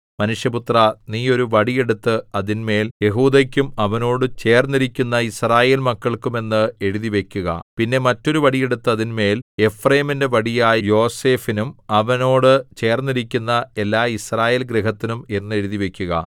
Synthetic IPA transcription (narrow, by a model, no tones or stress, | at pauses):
mɐnuʂjɐput̪rɐniːo̞ɾuʋɐɽije̞ɽut̪ːɨɐðinme̞ːlje̞ɦuːd̪ɐkʲːumɐʋɐno̞ːɽɨt͡ɕe̞ːrnːiɾikʲːunːɐisraːje̞ːlmɐkːɐɭkume̞nːɨe̞ɻuðiʋe̞kʲːuɣɐ̰pinːe̞mɐtːo̞ɾuʋɐɽije̞ɽut̪ːɨɐðinme̞ːle̞frɐjɐminde̞ʋɐɽijaːjijo̞ːse̞ːfinumɐʋɐno̞ːɽɨt͡ɕe̞ːrnːiɾikʲːunːɐe̞lːaːisraːje̞ːlɡɾiɦɐt̪ːinume̞nːɨe̞ɻuðiʋe̞kʲːuɣɐ̰